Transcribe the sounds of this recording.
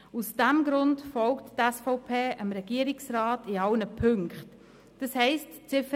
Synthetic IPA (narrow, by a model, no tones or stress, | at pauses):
usd̥ɛmɡɾʊntfɔlkttɛsfɔʊpʰeːəmɾɛɡ̥iːɾɪksɾɑːtiɑlnəpʰʏŋkχt | d̥ɑshɛɪstt͡sɪfə